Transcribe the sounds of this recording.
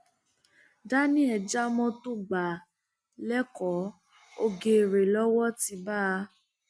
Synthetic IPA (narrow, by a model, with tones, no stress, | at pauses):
da˦nĩ˦ɛ˧˨d͡ʒa˦mɔ̃˦to˦ɡ͡ba˨ | lɛ˦kɔ˨˦ | o˧ɡe˧˨ɾe˨lɔ˦wɔ˦ti˧ba˦˧